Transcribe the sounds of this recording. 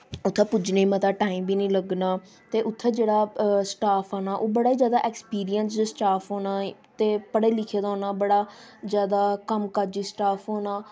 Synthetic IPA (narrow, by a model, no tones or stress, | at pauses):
ʊt̪ʰːẽːpʊd͡ʒneːmət̪aːʈaːiːmbʱiːnĩːləɡnaː | t̪eːʔʊt̪ʰːẽːd͡ʒeːɽaːsʈaːpʰaːnaːʔoːbəɽaːiːzjaːd̪aːʔɛkspiːɾijənsd͡ʒsʈaːpʰɦoːnaːt̪eːpəɽeːlɪkʰeːd̪aːɦoːnaːbəɽaːzjaːd̪aːkəmkəd͡ʒiːsʈaːpʰɦoːnaː